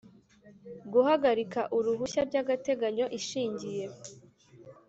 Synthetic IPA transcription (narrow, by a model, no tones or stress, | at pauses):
ɡuhaɡaɾikaʔuɾuβuçaɾɟaɡate̞ɡaɲo̞ʔiʃiːɲɟije̞